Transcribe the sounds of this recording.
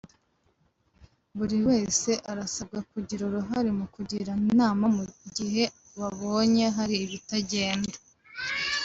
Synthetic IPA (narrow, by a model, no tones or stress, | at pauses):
βuɾiwe̞ːse̞ʔaɾasab̚ɡakuɟiɾoɾuɦaɾimukuɟiɾanaːmamuɟiɦe̞ | βaβo̞ːɲe̞ɦaɾiːβitaɟe̞ːnda